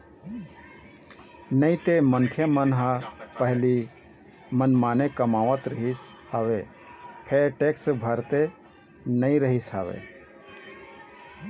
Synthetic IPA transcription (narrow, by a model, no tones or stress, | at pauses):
nəĩt̪emənkʰjemənɦəpəɦli | mənmaːnekəmaːʋət̪ɾəɦis | haːʋe | pʰeʈeksbʱəɾt̪e | nəĩɾəɦisa̰ʋḛ